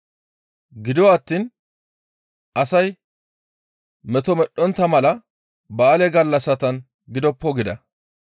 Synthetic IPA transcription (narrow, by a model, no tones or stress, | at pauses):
ɡɪd̪ɪwaːt̪ːiːn | ʔɐsɐj | mɛt̪ɔmɛɗːɔnt̪ːɐmɐlɐ | bɐːlɛɡɐlːɐsɐt̪ɐn | ɡɪd̪ɔpːɔɡɪd̪ɐ